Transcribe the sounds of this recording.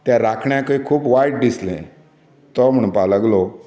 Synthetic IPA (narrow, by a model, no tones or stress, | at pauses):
t̪jaɾakʰɳjãkəikʰuːpʋajʈ̚dislḛ̃ | t̪ɔm̤əɽ̃ũpaləɡlɔ